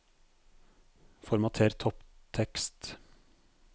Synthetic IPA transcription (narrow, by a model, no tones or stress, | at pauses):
fɔɾmɑt̪ʰeːɾt̪ʰɔpt̪ʰɛkst̪